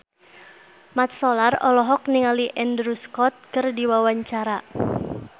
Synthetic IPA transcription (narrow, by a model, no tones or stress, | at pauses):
mat̪̚sɔlarɔ̰lɔɦɔk̚niŋaliʔɛndɾuskɔt̪̚kɨrdiwawaɲt͡ʃaɾa